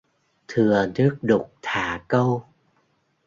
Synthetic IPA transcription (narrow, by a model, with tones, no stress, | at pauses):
t̪ʰɨ˨˩ənɨ˦˥ək̚ɗʊ˨˩k͡p̚t̪ʰaː˨˩˦kə˧w